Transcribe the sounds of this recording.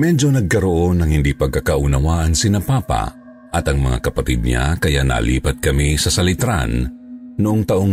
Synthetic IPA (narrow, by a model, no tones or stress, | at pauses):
mɛd͡ʒonɐɡ̚kɐɾoʔonɐŋhɪnd̪ipɐɡ̚kakɐʔʊnɐwaʔɐŋsɪnɐpaːpa̰ | ʔɐt̪ɐŋmɐŋa̰kɐpɐt̪id̪̚ɲa̰kɐjana̰lḭːpɐt̪̚kɐmisɐsɐlɪt̪ɾa̰nnːʊʔoŋt̪ɐʔoŋ